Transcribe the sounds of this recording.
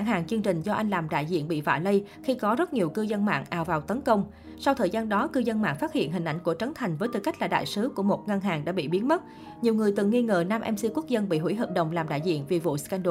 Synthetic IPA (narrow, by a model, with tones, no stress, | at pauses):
a˧˩ŋɦaː˨˩ŋt͡ɕɨ˧ənt͡ɕï˨˩ŋ̟zɔ˧ʔa˧jŋ̟laː˨˩mɗa̰ː˧˨jzḭ˧˨ənɓḭ˧˨va̰ː˧˩lə˧jxi˧kɔ˨˦zə˦˥t̚ɲi˨˩əwkɨ˧zə˧nma̰ː˧˨ŋʔaː˨˩wvaː˨˩wt̪ə˨˦nkə˧wŋ͡m | sa˧wt̪ʰəː˨˩jzaː˧nɗɔ˨˦kɨ˧zə˧nma̰ː˧˨ŋfaː˦˥t̚hḭ˧˨ənɦï˨˩ŋ̟ʔa˧˩jŋ̟ku˧˩ət͡ɕə˨˦ŋt̪ʰa˨˩jŋ̟vəː˨˦jt̪ɨ˨˩ka˦˥k̟̚laː˨˩ɗa̰ː˧˨jsɨ˨˦ku˧˩əmo˨˩t̚ŋə˧nɦaː˨˩ŋɗa̰ː˧˥ɓḭ˧˨ɓi˨˦ənmə˦˥t̚ | ɲi˨˩əwŋɨ˨˩əjt̪ɨ˨˩ŋːi˧ŋə̰ː˨˩naː˧mʔɛ˧msi˧ku˦˥ək̚zə˧nɓḭ˧˨ɦwɦəː˨˩p̚ɗə̰˧˨wŋ͡mlaː˨˩mɗa̰ː˧˨jzḭ˧˨ənvi˨˩vṵ˧˨ska˧nɗo˧